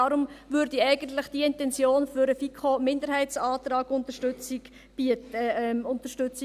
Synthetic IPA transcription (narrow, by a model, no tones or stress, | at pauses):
ɑɾʊmvʉːɾdiɛɪɡ̥ənt̪lɪχd̥iɪntɛnt͡sjoːnfʏɾəfikʰomɪndəɾhɛɪt͡sɑːtɾɑːɡ̥ʊnt̪əʃtʏt͡sɪɡ̥ | i | ʊnt̪əʃtʏt͡sɪ